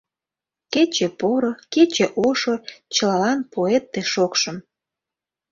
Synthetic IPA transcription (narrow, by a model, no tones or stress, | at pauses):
ket͡ɕepoɾoket͡ɕeʔoʃot͡ɕəlɑlɑnpoet̪ːeʃokʃəm